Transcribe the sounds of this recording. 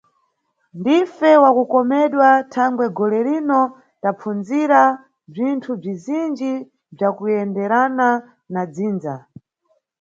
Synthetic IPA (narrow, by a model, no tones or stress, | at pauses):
ndifɛwakukɔmɛɗwatʰaŋɡwɛɡɔlɛɾinɔ | tapp͡fund͡ziɾa | b͡ʐintʰub͡ʐizind͡ʒi | b͡ʐakujɛndɛɾana | nad͡ziːnza